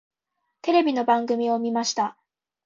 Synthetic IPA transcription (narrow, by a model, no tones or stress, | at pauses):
t̪e̞ɾe̞bʲino̞bãŋɡɯ̟mʲio̞mʲimaɕi̥t̪a